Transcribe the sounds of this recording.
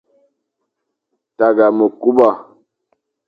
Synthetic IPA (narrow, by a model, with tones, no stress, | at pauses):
ta˨ɡa˨mu˨ku˦ba˨